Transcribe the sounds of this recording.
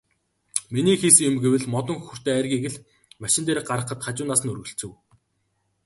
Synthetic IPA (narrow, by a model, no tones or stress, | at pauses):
miniːxiːsɘ̆ŋjʊmɡewɘ̆ɮmɔt̪ɞ̆ŋxɵ̥xɵ̆r̥t̪eːærɣʲiːɣɘ̆ɮ | maʃɪ̆nt̪eːɾik̚ɢaɾə̆χə̆t̪χat͡ɕʊːnaːsə̆nɵrɾɣɵ̆ɬt͡sɘ̆w